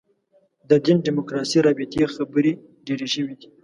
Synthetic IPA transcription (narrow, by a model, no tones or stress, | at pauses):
d̪əd̪inɖimokɾɑsiɾɑbɪt̪exabəɾi | ɖeɾeʒəwid̪i